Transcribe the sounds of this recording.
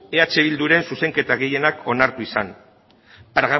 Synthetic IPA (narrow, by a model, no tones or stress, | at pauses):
e̞at͡ʃe̞βild̪uɾe̞nsuse̞ŋke̞t̪aɣe̞je̞nakʰo̞naɾt̪uisan | pɾoɣa